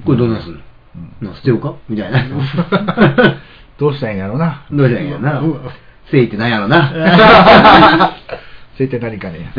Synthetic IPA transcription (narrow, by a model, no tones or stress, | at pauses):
koɾed̪onãsɨ̃nõ | nãsɨ̥t̪ːejokamʲit̪aina | d̪̥oːɕit̪ẽjaɾonad̪oːɕit̪ẽjana | seːit̪ːe̞nãĩjaɾona | seit̪ːenaɾʲikane